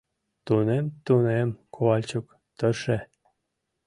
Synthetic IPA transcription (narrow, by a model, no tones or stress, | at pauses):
t̪unemt̪unemkʰowɑlʲt͡ɕuk | t̪ə̆ʃe